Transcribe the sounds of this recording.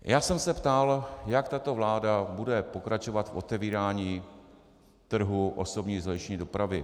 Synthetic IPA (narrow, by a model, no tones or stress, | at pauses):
jʔaːsɛmsɛpt̪aljakt̪at̪ovlaːdabudɛpo̞kɾat͡ʃo̞vat̪fʔo̞t̪ɛviːɾaːɲiː | t̪r̩ɦuʔo̰so̞bɲiːzlɛt͡ʃɲiːdopɾavɪ